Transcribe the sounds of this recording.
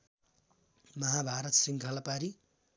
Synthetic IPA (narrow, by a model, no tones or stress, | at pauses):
mʌɦabʱaɾʌt̪siŋkʰalapaɾi